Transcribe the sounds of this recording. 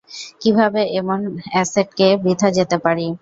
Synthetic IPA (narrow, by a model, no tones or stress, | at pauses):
kibʱabeʔemonɛseɖ̚kebɾid̪ʱad͡ʑet̪epaɾi